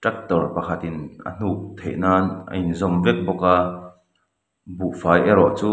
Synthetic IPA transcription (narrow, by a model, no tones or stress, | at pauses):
ʈ͡ʂɛk̚t̪ɔrpɐkʰɐt̪inʔɐ̰n̥uʔ̚t̪ʰḛʔnaːnʔɐ̰inzɔmvɛk̚bɔka | buʔfaːjʔɛɾɔʔt͡suː